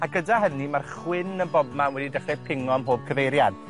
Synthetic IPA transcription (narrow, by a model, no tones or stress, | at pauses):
aɡədaɦənimarχwɪnənbɔbmanwɛdidəχɛpʰɪŋɔmɦoːb̥̚kʰəvejɾjad̥